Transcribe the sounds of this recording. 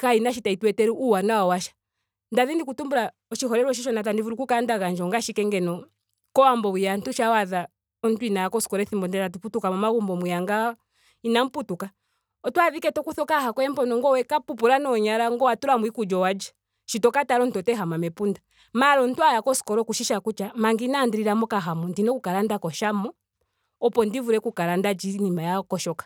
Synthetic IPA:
kainaʃ̬itaitwɛtɛɾuʔuwanawawaʃḁ | ndaðindikutumbuɾa | ɔʃiɦɔɾɛɾɔʃ̬iʃɔnat̬andivuɾukukandaɣand͡ʒɔŋɡaʃikɛŋɡɛnɔ | kɔwambɔwijantuʃawaða | ɔn̩tuinajakɔskɔɾɛθimbɔndɛɾatuputukamamaɣumbɔmujaŋɡa | inam̩putuka | ɔtuaðikɛtɔkuθɔkahakɔɛm̩pɔnɔŋɡɔwɛkapupuɾanɔɲaɾaŋɡɔwatuɾamwikud͡ʒɔwad͡ʒḁ | ʃitɔkataɾɔn̩tɔtɛɦamamɛpunda | maɾɔn̩twajakɔskɔɾɔkuʃiʃakut͡ʃamaŋɡinandiɾiɾamɔkaɦamɔndinɔkukaɾandakɔʃamɔ | ɔpɔndivuɾɛkukaɾandad͡ʒinimajakɔʃɔkḁ

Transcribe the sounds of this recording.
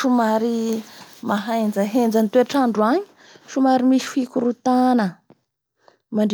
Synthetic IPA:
ʃumaɾi | maɦajnd͡zəɦend͡zant̪ueʈ͡ʂaɳɖ͡ʐuaɲi̥ | ʃumaɾimisi̥fikuɾut̪anə | maɳɖ͡ʐ

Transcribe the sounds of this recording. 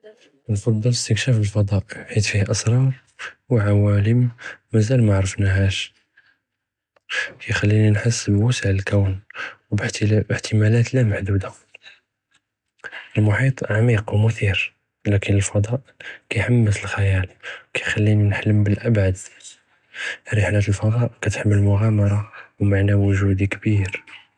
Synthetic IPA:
ənfɑd̪ˤːɑləst̪əkʃæfəlfɑd̪ˤɑʔħit̪fihʔəsˤɾˤɑɾˤ | wʕawæləmːæzælmaʕɾəfnæɦæʃ | kæjxælːininħəsːbwəsəʕəlkæwnwb̪bəħt̪ʰəmælæt̪læmaħd̪ud̪a | ʔəlmʊħit̪ˤʕamiqwmʊθiɾ | lækənəlfɑd̪ˤɑʔkæjħamːəsəlxæjælwkæjxælːininħləmbəlʔæbʕad̪ | ɾəħlæt̪əlfɑd̪ˤɑʔkæt̪ħəmːəlmʊɣæmɑɾˤɑwmaʕnæwʊʒud̪ikbiɾ

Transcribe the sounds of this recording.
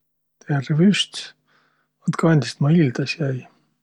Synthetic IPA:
t̪eærvyst̪ | ɑt̪kɑnʲd̪ʲist̪mɑild̪ɑsjæj

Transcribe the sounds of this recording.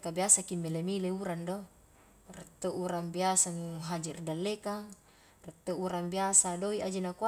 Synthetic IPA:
kabiasakimːelemileuɾando | ret̪ːoʔuɾaŋbiasanuɦad͡ʒirdalːekaŋ | ret̪ːouɾambiasadoiad͡ʒenakua

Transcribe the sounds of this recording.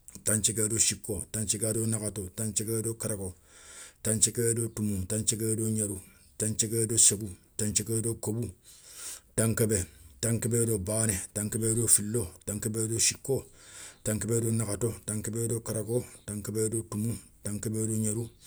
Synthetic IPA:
tãnt͡ʃekedoʃikːotant͡ʃekedonakatotãnt͡ʃekedokaɾako | tãnt͡ʃekedotumutant͡ʃekedoɲeɾu | tant͡ʃekedosekutant͡ʃekedokobu | tãŋkebetãŋkebedobaːnetãŋkebedofilːotãŋkebedoʃikːotãŋkebedonakatotãŋkebedokaɾakotãŋkebedotumu | taŋkebeːdoɲeɾu

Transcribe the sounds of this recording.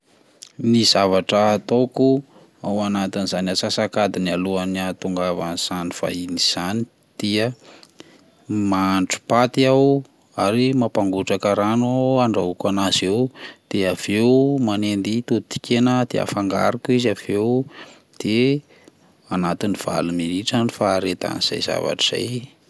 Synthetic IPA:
nizavaʈ͡ʂət̪oku | awanat̪inizanasasakad̪inialuaniat̪uŋɡavanz̥aniv̥a̰iniz̥ani | d̪̥iə | maɳʈ͡ʂu̥pat̪iaw | aɾimapaŋɡuʈ͡ʂakəɾanuaɳɖ͡ʐaukanazewd̪̥eav̥ewumanend̪it̪ut̪i̥kʲenəd̪̥ḛa̰faŋɡa̰ɾukizav̥ew | d̪̥e | anat̪iniv̥a̰luminiʈ͡ʂanufaːɾet̪a̰niz̥a̰jz̥a̰va̰ʈ͡ʂi̥z̥a̰j

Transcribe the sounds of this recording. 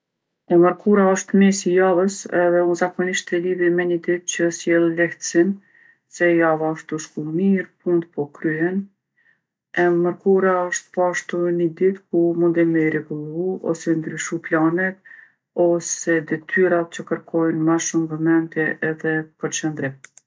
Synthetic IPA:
ɛməɾkuɾaəʃt̪misijavəsɛðɛunzakɔniʃt̪ɛlivimɛɲəd̪it̪̚cəəsjɛlˠlɛht̪ə̥sin | sɛjavaəʃt̪uʃkumiɾpund̪pɔkɾyɛn | ɛməɾkuɾaəʃt̪pɔaʃt̪unəd̪it̪kumund̪ɛməɾɛɡulˠuɔ̰sɛnd̪ɾyʃuplanɛt̪̚ | ɔsɛd̪ɛt̪ʰyɾat͡ɕəkəɾkʰɔjnmaʃumvɛmɛnt̪jɛʔɛðɛpəɾt͡ʃənd̪ɾim

